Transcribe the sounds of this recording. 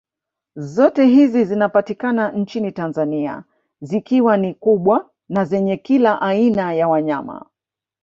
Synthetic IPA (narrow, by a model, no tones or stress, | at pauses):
zɔtɛɦizizinapatikanan̩t͡ʃinitanzania̰ | zikiwanikuɓwa | nazɛɲɛkilaʔainajawaɲama̰